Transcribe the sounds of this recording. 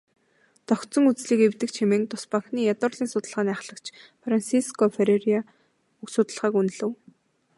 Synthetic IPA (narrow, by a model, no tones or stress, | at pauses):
t̪ɔkt̪t͡sɞ̆ŋut͡sɮiːkewt̪ɘ̆kt͡ɕʰemĕːŋt̪ʊspaŋxniːjat̪ʊ̆rɮiːŋsʊt̪ə̆ɮʁaːniːaχɮə̆kt͡ɕʰfransiskɔfeɾeria | uksʊt̪ə̆ɮʁaːkunɮɘ̆w